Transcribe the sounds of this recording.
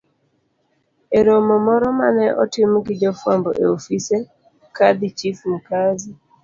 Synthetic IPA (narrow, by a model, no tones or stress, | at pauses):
eɾomɔmɔɾɔma̰nɛʔɔ̰tɪmɡɪd͡ʒɔfwambɔʔeofise | kad̪it͡ʃifm̩kazi